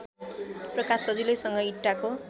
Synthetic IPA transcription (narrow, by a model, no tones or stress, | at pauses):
prʌkasʌd͡zilʌjsʌŋɡʌiʈːako